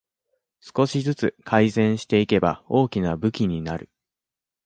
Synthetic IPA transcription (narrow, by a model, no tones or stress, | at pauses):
sɨ̥ko̞ɕizɨt͡sɨkʰaizẽ̞ɰ̃ɕi̥t̪e̞ike̞ba̰o̞ːkʲinabɯ̟kʲiɲ̟inaɾɯ̟